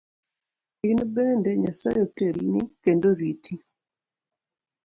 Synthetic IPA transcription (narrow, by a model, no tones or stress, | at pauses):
ɪnbenendɛɲasajotelinikendoɾiti